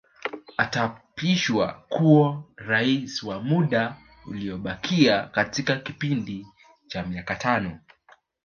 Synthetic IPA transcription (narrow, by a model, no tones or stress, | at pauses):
atapiʃwa̰kuɔɾaisiwamuɗa | uliɔɓakʰiakatikakipindi | t͡ʃamiakatʰanɔ